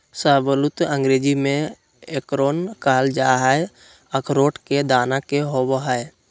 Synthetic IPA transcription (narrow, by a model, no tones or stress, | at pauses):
saːbəlʊt̪ə̃ŋɡɾeːd͡ʒimẽ | ekɾoːnkaːld͡ʒaɦae | əkɾoːʈked̪aːnakeɦoboɦae